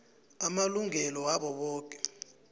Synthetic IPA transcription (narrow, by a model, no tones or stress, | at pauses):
amaluŋɛlɔwaɓɔɓɔːk̬ʼɛ̥